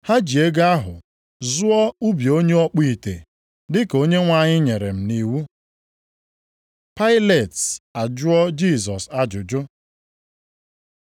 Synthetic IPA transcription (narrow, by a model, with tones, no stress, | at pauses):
ha˦d͡ʒi˨e˦ɡa˦ɦʊ̰˨ | zʊ˦ɔ˦u˦bjo˦ɲe˦ɔ˦k͡pi˦˨tḛ˨ | dɪ˦ko˦ɲe˦ŋʷa˦˨ɲɪ˦ɲe˨ɾe˨m̩˨ni˦wu˦ | pa˦ɪ˦le˨tsa˨d͡ʒʊ˦ɔ˦d͡ʒi˦˨sɔ˨sa˦d͡ʒʊ˨d͡ʒʊ˦